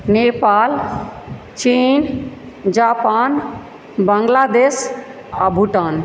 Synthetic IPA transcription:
nepaːl | t͡ʃiːn | d͡ʒaːpan | bəŋɡlaːd̪eːs | a̰bʱuʈaːn

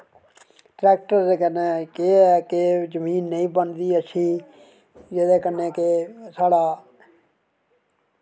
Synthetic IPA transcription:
ʈɾɛːk̚ʈəɾd̪eːkəneːkeɛːkezəmiːnːəĩːbənd̪iːət͡ʃʰiː | d͡ʒed̪eːkənːeːkesaːɽaː

